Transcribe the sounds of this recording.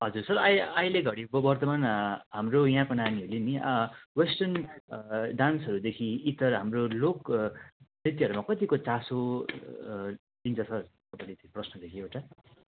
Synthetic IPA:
ɦʌd͡zursʌrʌjʌjleɡʱʌɽibʌbʌrt̪ʌmanɦamrojɦãkonamiuliniwesʈʌn | ɖansʌɾud̪ekʰiːt̪ʌrɦamrolok | nrit̪iʌɾumakʌt̪ikot͡saso | dint͡sʰʌsʌrkʌpanit͡sʌprʌsnʌd̪ekʰiewʈa

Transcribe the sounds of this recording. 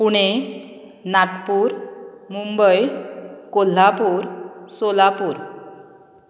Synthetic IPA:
puɽ̃e | nat̪puːɾmumbəjkol̤apuɾsolapuːɾ

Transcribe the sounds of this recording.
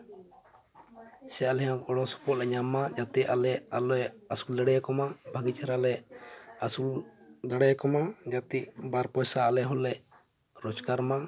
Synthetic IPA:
sɛalɛjãɔɽɔsɔ̥pɔʔlɛɲamːad͡ʒat̪ɛʔʔalɛalɔɛasuld̪aɽɛjakɔmabʱaɡit͡ʃʰaɾalɛasuld̪aɽɛjkɔmad͡ʒat̪iʔbaɾpɔjsaːlɛɦɔlɛʔ | ɾɔt͡ʃkaɾma

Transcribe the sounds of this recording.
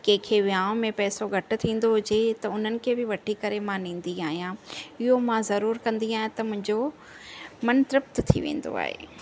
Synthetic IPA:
kẽːkʰeʋijãːʊ̃mẽpɛːsoɡʱɐʈʊ̆t̪ʰĩːn̆d̪oɦʊd͡ʑet̪ɐʊn̤ənɪ̆kʰeːbɪʋɐʈʰikɐɾemãnĩːn̆d̪iaːɦijãɪɦomãzɐɾuːɾkɐ̃nd̪iaːɦẽt̪ɐmʊ̃ɦɪ̃ɲd͡ʑo | mɐnt̪ɾɐp̚t̪t̪ʰḭʋḛ̃ːn̆d̪o̰a̰ːɦḛː

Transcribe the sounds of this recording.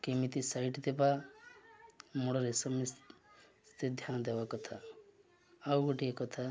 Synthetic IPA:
kemit̪isajʈt̪epa | moɽɔɾesɔmisst̪ed̪ʱjanɔd̪ebakɔt̪ʰaː | wɡɔʈiekɔt̪ʰa

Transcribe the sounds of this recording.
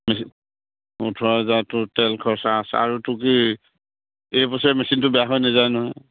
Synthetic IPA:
mɛ | utʰɔazatʊtɛlkʰɔɹsaːsɛ̰aɹutʊki | ejpɔsaɹɛmɛsintʊbɛjaɦɔjnɛzajnɔɔj

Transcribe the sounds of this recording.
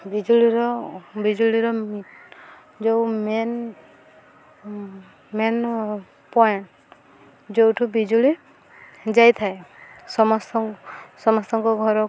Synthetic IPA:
bid͡ʒuliɾɔbid͡ʒuliɾɔ | d͡ʒewmen | men | pɔjeɳʈ | d͡ʒewʈʰubid͡ʒuli | d͡ʒajt̪ʰaesɔmɔsɔsɔmast̪ɔŋkɔɡʱɔɾɔ

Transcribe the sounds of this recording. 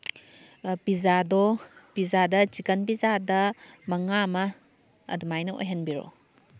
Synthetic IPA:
pizadɔpizadɐt͡ʃikɐnpizadɐmɐŋamɐ | ɐ̰dumajnɐo̰jɦɐnbiɾo̰

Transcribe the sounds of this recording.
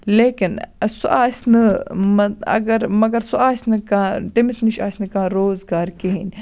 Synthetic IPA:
leːkinsuʔaːsʲnɨmɐɐ̰ɡɐɾmɐɡɐɾsuaːsʲnɨkãːt̪imisniʃaːsʲnɨkãːɾoːzɡaːɾkeɦin

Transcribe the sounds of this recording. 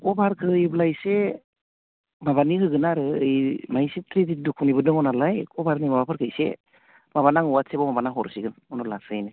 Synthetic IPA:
kɔbaɾkʰɯjblajse | mabanihɯɡɯnaɾɯɯjmajsitɾididukʰunibɯdɯŋɔnalajkʰɔbaɾnimabapʰɯɾkʰɯjsḛ | maβanaŋuwat̚sebɔmabanaɦɔɾsiɡɯnɔnɔlasɯjnɯ

